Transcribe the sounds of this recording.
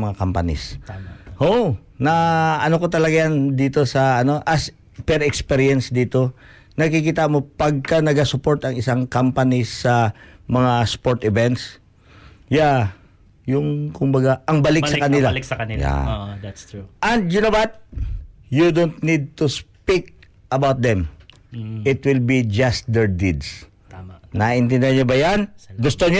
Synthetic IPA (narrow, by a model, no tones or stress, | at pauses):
mɐŋakampɐnɪ̰s | ho | nɐɐnoko̞t̪ɐlɐɡajand̪iːt̪o̞sɐʔɐno̞ʔɐs | pɛɾɛkspɛɾjɐnsd̪iːt̪o̞ | nɐkikiːt̪amo̞pɐɡ̚kɐnɐɡasʊpo̞ɹt̪ɐŋɪsaŋkampɐnisːɐmɐŋaspoɹt̪ɪvɛnt̪s | ja | jʊŋkʊmbɐɡaʔɐŋbɐlɪksɐkɐnɪlaksɐnɪja̰tst̪uʔɐnd̪̚jʊnowat̪̚ | jud̪ont̪nid̪̚t̪uspik̚ | ʔɐbawt̪̚d̪ɛm | ɪt̪wɪlbid͡ʒɐst̪̚d̪ɛɹd̪id̪s | nɐʔɪnt̪ɛ̃nd̪ɪaɲobɐjanɡʊst̪oɲ